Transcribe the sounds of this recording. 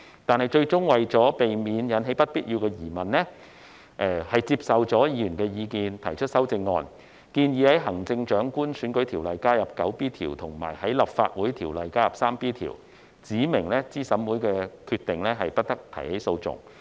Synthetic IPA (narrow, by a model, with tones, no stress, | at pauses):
t̪aː˨nhɐ˨˩jt͡ʃɵ˧ɥt͡sʊ˥ŋwɐ˨jt͡sɔː˨˥pe˨jmiː˨˧njɐ˨˥nɦe˨˥jpɐ˥t̚piː˥t̚jiː˧wkɛː˧jiː˨˩mɐ˨nlɛː˥ | ʔɛ˨˧hɐ˨jt͡siː˧p̚sɐ˨wt͡sɔː˨˥jiː˨˧˥jyː˨˩nkɛː˧jiː˨˧kiː˨nt̪ʰɐ˨˩jt͡ʃʰɵ˥t̚sɐ˥wt͡sɪ˧ŋːɔː˧n | kiː˧njiː˨˧hɐ˨˥jɦɐ˨˩ŋt͡sɪ˧ŋt͡ʃœː˨˥ŋkuː˥nsyː˨˧˥nkɵ˨˥jt̪ʰiː˨˩wlɐ˨˩jkaː˥jɐ˨˩p̚kɐ˨˥wpiː˥t̪ʰḭː˨˩wt̪ʰʊ˨˩ŋma̰ː˨˩jhɐ˨˥jlɐ˨p̚fa̰ː˧t̚wuː˨˥jt̪ʰiː˨˩wlɐ˨jkaː˥jɐ˨p̚saː˥mpiː˥t̪ʰḭː˨˩w | t͡siː˨˥mɪ˨˩ŋlɛː˥t͡siː˥sɐ˨˥mwuː˨˥jkɛː˧kʰyː˧t̪ɪ˨ŋlɛː˥ɦɐ˨jpɐ˥t̚t̪ɐ˥k̚t̪ʰɐ̰˨˩jhe˨˥jso˧wt͡sʊ̰˨ŋ